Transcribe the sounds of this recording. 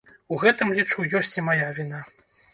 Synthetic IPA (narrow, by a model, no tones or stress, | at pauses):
uɣɛt̪ɨmlʲit͡ʂujɔsʲt͡sʲimajavʲina